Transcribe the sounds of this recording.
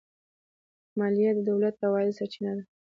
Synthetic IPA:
mɑlijad̪əd̪awlat̪ːawɑjɪlsat͡ʃinad̪a

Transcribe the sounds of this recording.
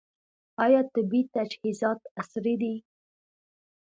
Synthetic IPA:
ɑjɑt̪ɪbit̪ad͡ʒhizɑt̪asɾid̪i

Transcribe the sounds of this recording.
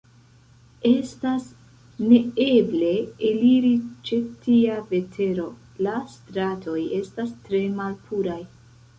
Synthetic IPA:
e̞stas | ne̞e̞ble̞ːliɾit͡ʃe̞tiave̞tʰe̞ɾo̞ | lastɾatʰo̞je̞stastɾe̞malpʰuɾaj

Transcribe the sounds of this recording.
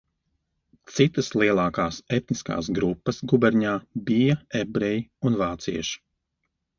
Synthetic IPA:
t̪sit̪ɐslˠiɛlˠaːkaːsɛt̪niska̰ːs̬ɡɾupːɐsɡubɛɾɲaːbijɐɛbɾɛjiunvaːt̪sḭɛʃi̥

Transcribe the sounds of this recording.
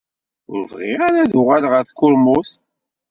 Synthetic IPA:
ʊ̰ɾvʁḭaɾæðʊʁalʁəɾθkːʊɾmʊθ

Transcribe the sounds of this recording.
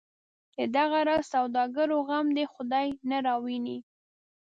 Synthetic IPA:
d̪əd̪aɣaɾɑzsawd̪ɑɡaɾoɣamd̪exʊd̪ɑjnaɾɑwini

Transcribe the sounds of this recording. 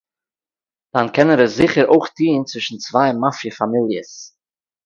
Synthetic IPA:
d̥ankʰɛnəɾəszɪχəɾoɪχtʰiːnt͡svɪʃn̩t͡svaɪmafjəfamɪlˠjəs

